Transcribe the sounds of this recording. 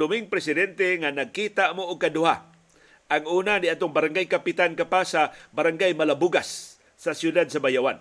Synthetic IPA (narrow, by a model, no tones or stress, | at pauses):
ʊmɪŋpɾɛsɪd̪ɛnt̪ɛŋanaɡ̚kiːt̪aʔmoʊɡ̚kad̪ʊha | ʔaŋuːnaniat̪oŋbaɾaŋɡajkapɪt̪ankapasabaɾaŋɡajmalabuɡasː | asjʊd̪ad̪̚sabajawan